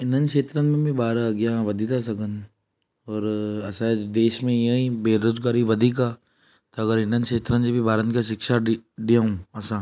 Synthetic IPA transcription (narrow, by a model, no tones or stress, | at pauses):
ɪnə̃nʃeːt̪ɾənmẽbʱibaːɾɐɡjãʋɐd̪ʱit̪ʰas̬ɐɡən | ɔːɾɐsad͡ʒd̪eːʃmẽjɐĩbeːɾoːd͡ʒɡaːɾiʋɐd̪ʱik̬a | t̪oɐɡəɾɪnə̃nd̪ʃeːt̪ɾə̃nd͡ʒebʱibʱaːɾənkaʃɪkʃaɖijə̃ũɐsãː